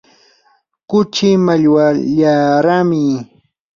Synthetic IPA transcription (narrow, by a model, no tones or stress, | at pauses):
kʊt͡ʃɪmaʎwaʎaɾamɪ